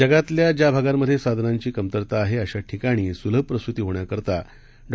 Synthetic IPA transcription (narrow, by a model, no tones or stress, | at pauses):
əɡat̪ljad͡ʑabʱaɡammːəd̪ʱːjesad̪ʱnaɲt͡ɕiːkəmt̪əɾt̪aːɦeəɕaʈʰikaɽ̃iːsuləpːɾəst̪ut̪iːɦoɳjakəɾt̪a | ɖ